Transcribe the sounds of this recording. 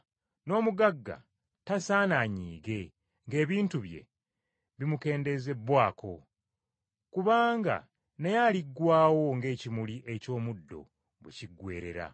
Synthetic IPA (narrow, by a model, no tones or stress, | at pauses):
no̞ːmuɡaɡːa̰ | tasaːnaɲiːɡe̞ | ŋɡe̞ːβiːntuβje̞̰ | βimuke̞ːnde̞ze̞bwaːkʰo̞ | kuβaːŋɡa̰ | nejaliɡwaːwo̞ŋɡe̞ːcimuliʔe̞co̞ːmudːo̞̰ | βweciɡwe̞̰ːɾe̞̰ɾa̰